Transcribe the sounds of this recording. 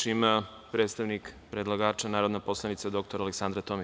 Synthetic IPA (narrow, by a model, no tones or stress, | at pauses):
ima | pɾeːt̪st̪aʋnikpɾed̪lˠaɡaːt͡ʃanaːɾo̞d̪naposlˠanit̪sad̪o̞k̚t̪o̞ɾaleksand̪ɾat̪omi